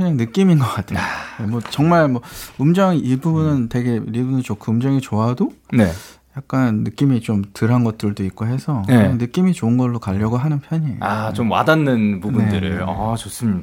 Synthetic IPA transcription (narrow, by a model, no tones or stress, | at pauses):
kɯɲaŋnɯk͈iminɡʌk͈atʰeonemwʌt͡ɕʌŋmaɭmwʌumd͡ʑʌŋibubunɯnte̞ɡe̞ɾibunɯɭt͡ɕokʰuːmd͡ʑʌŋit͡ɕoadone | jak̚k͈anːɯk͈imit͡ɕomtɯɾɦanɡʌt̚t͈ɯɭdoik̚k͈oɦe̞sʰʌkɯɲaŋnɯk͈imit͡ɕoɯnɡʌɭːokaʎːʌɡoɦanɯnpʰjʌɲḭat͡ɕomwa̰danːɯnpunbundɯɾɯɭʌt͡ɕos͈ɯmɲid